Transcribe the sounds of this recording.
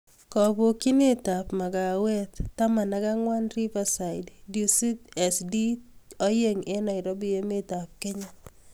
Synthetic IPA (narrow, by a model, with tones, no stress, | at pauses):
kɔ˨bo˨ki˦ne˦tapma˨ka˨wɛ˦t̪tːa˦ma˨na˦ka˦ŋwa˦nri˦pasa˨jddi˨si˦tɛ˨sdi˦ɔ˦je˦ŋe˦na˨jɾɔ˦bi˨je˦me˦ta˨p̚ke˦ɲa